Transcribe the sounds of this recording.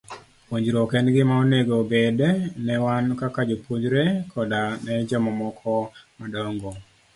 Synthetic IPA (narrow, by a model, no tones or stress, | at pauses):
poɲd͡ʒɾɔkɛnɡɪmaoneɡobedɛnɛwankakad͡ʒopoɲd͡ʒɾekʰɔdanɛd͡ʒɛmɔmɔkʰɔmadɔŋɡɔ